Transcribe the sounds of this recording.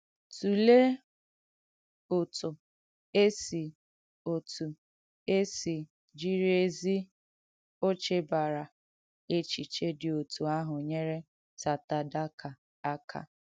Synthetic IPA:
tu˨le˦ | ʊ˨tʊ˨ | e˦si˨ | o˨tu˨ | e˦si˨ | d͡ʒi˦ɾe˦zi˦ | o˦t͡ʃe˦ba˨ɾa˨ | e˦t͡ʃi˨t͡ʃe˦dɪ˨o˨tu˨a˦ɦʊ˨ɲe˦ɾe˦ | ta˨ta˨da˦kʰa˨ | a˦kʰa̰˨

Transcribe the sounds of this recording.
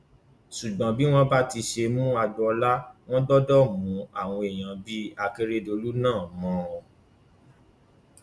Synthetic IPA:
ʃu˨ɡ͡bã˨bi˦w̃ɔ̃˦ba˦ti˧ʃe˧mũ˦a˧dɔ˦˧ɔ˧la˦w̃ɔ̃˦dɔ˦dɔ˦mũ˨˦a˨w̃ɔ̃˧e˨j̃ã˨bi˦a˧ke˧ɾe˦do˧lu˦nãː˦˨mɔ̃˨˦˨

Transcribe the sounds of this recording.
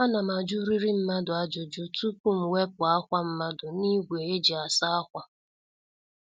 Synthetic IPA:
a˦na˨ma˨d͡ʒu˦ɾi˦ɾi˦m̩˦ma˦dʊ˨a˨d͡ʒo˨d͡ʒo˦tu˦pu˦m̩˨we˦pʊ˨a˦kʷa˦m̩˦ma˦dʊ˨ni˦ɡʷe˨e˦d͡ʒi˨a˨sa˦a˦kʷa˦

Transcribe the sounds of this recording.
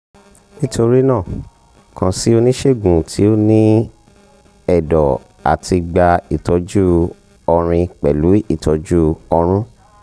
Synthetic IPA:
nĩ˦tʰo˧ɾi˦nãː˦˨ | kʰã˧si˦o˧nĩ˦ʃe˦˨ɡũ˨tʰi˨˦o˦nĩ˦ | ɛ˦˨dɔ˨ | a̰˨tʰi˧ɡ͡ba˧i˨tʰɔ˨˦d͡ʒu˦ | ɔ˧ɾ̃ĩ˧k͡pɛ˨lu˨˦i˦˨tʰɔ˨˦d͡ʒu˦ɔ˧ɾ̃ũ˦

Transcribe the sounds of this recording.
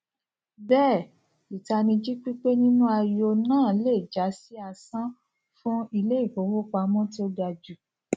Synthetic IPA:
bɛː˦˨ | i˨ta˧nĩ˧d͡ʒi˦k͡pi˦k͡pe˦nĩ˦nũ˦a˧jo˧nãː˦˨˦le˦˨d͡ʒa˨˦si˦a˧sã˦ | fũ˦i˧le˦i˦˨fo˨˦wo˦k͡pa˧mɔ̃˦ti˦o˦ɡa˧d͡ʒu˨

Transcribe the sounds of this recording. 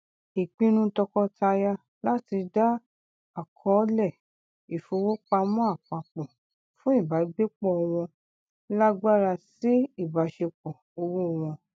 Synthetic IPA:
i˨k͡pĩ˦˧˦nũ˧tɔ˧kɔ˧tʰa˧ja˧ | la˦ti˧da˦ | a˦˨kʰɔ̃˧˦lɛ˦˨ | i˨fo˧wo˦k͡pa˧mɔ̃˦a˦˨k͡pa˧k͡pɔ̃˨ | fũ˦i˦˨ba˨˦ɡ͡be˦k͡pɔ˦ɔ˧w̃ɔ̃˧ | la˦ɡ͡ba˦ɾa˧si˦i˦˨ba˨˦ʃe˧k͡pɔ˨ | o˧wo˦˧w̃ɔ̃˧

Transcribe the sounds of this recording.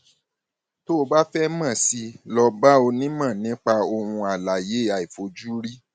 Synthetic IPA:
to˦o˧ba˦fɛ˦mã˦˨si˧lɔ˧ba˦o˧nĩ˦mã˦˨nĩ˨˦k͡pa˧o˧wũ˧a˨la˨je˨˦a˨i˨fo˧d͡ʒu˦ɾi˦

